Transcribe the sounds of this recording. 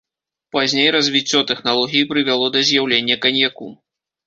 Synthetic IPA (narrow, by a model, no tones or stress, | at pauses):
pazʲnʲejɾɐzʲvʲit͡sʲːɔt̪ɛxnalˠɔɣʲijipɾɨvʲalˠɔd̪ɐzʲjawlʲenʲːɐkanʲjakṵ